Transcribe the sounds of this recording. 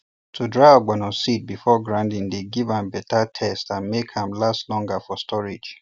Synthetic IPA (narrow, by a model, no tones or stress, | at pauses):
tʰudɹaɪɔɡ͡bãnɔsit̚bifɔɡɹãndĩndeɡivãmbɛtatʰɛstãnmekhãmlastlɔ̃ŋɡafɔstʰɔɹid͡ʒ